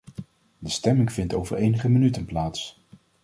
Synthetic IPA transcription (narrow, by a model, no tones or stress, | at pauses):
dəstɛmɪŋvɪntowvəɹejnəχəmənytənplaːts